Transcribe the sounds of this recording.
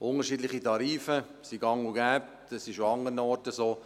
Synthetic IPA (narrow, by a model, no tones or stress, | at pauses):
ʔʊnəɾʃiːdlɪχitɑɾiːfə | siɡɑŋuɡɛːp̚tɛsɪʃoɑŋəɾənəɔɾtəsoː